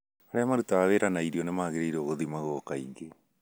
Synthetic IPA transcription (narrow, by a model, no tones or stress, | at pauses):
aɾeamaɾutaːβeːɾanaiɾionemaːɣeɾeiɾoɣoðimaɣɔkaiɣe